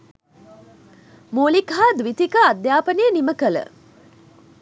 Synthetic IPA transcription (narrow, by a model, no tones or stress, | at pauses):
moːlikaːd̪ʋit̪ikəad̪jaːpəneːniməkələ̰